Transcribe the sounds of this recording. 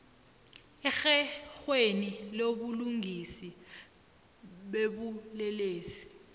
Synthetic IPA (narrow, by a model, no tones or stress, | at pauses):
ɛxɛxweniloɓuluŋʱisi | ɓeɓulɛleːsi̥